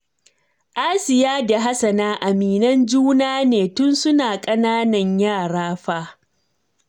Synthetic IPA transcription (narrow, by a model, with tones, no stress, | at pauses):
ʔa˦sɪ˨jaː˦da˨ɦa˦sɐ˨naː˦ʔa˨miː˨nɐ˦nd͡ʒuː˦naː˦neː˨tʊ˦nsʊ˦naː˨kʼɐ˦naː˦nɐ˨ɲjaː˦˨ɽaː˦ɸaː˦